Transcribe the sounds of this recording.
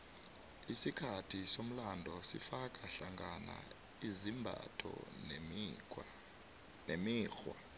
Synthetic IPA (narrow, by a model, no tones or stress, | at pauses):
isikʰatʰisom̩landʱɔsifak̬ʼaɬaŋɡana̰ | izimbʱa̰tʰɔ̰n | nemiːxwa̰